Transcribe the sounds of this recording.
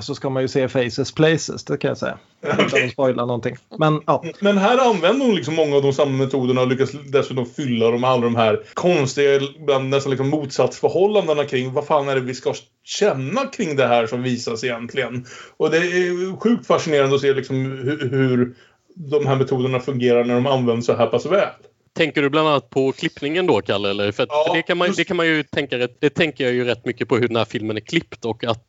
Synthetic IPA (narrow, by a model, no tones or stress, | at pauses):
sɔskamanjɵseːfɛjsəspʰlɛɪsə̰sd̪ɛkʰanja̰sɛ̰jːa̰ | k̪ʰspɔjlʔanɔnt̪ɪŋːmɛnjɑːmɛnɦæːɾanvɛnd̪əɾhʊnlɪksɔmːɔŋːaːvd̪ɔmsamːamɛt̪ʰuːd̪əɳaɔlʏkːasd̪ɛsʉ̟ːt̪ɔmfʏlːad̪ɔmalːad̪ɔmɦæːɾkʰɔnst̪ɪɡaɪbland̪nɛst̪anlɪksɔmːuːt̪sat̪sfœɾhɔlːand̪ənakʰɾɪŋːvaɾfaːnæɖɛvɪska | ɕɛnːakʰɾɪŋːd̪ɛɦæːʂɔmviːsasɪjɛnt̪ʰlɪɡənɔd̪ɛæɧʉ̟ːk̚t̪faʂɪneːɾand̪əɔseːlɪksɔmhhʉɾ | d̪ɔmɦæːɾmɛt̪ʰuːd̪əɳafɵŋɡeːɾaɾɳæɖɔmanvɛnd̪əsɔɦæːɾpʰasvɛːl | t̪ʰɛŋkəɖɵbland̪anːat̪̚pʰɔkʰlɪpːnɪŋənd̪ɔkʰalːɛlːəɾfœɾat̪ːɖɛkʰanmand̪ɛkʰanmanjɵt̪ʰɛŋkaɾɛt̪ːd̪ɛt̪ʰɛŋkəɾjajɵɾɛt̪ːmʏkːəpʰɔɦɵɖɛnhæːɾfɪlmənæɾkʰlɪpːt̪ɔkːat̪